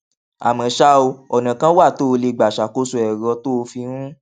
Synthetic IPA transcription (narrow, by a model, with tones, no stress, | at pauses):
a̰˨mã˨ʃa˧˦o˧ɔ˨nã˨kã˦wa˦˨toː˦˧le˧ɡ͡ba˨ʃa˨ko˦so˧ɛ˨ɾɔ˧to˦o˧fi˧ɾũ˦